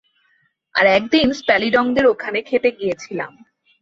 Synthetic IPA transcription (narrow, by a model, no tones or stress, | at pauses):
a̰ɾɛk̚d̪inspɛliɖɔŋd̪eɾokʰanekʰet̪eɡijet͡ɕʰila̰m